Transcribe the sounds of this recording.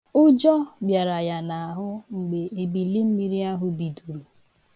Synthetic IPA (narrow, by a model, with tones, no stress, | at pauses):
ʊ˦d͡ʒɔ˦bja˨ɾa˨ja˨na˨a˨ɦʊ˦ŋ͡m̩˨ɡ͡be˨e˨bi˨li˦m̩˦mi˦ɾi˦a˦ɦʊ˦bi˨du˨ɾu˨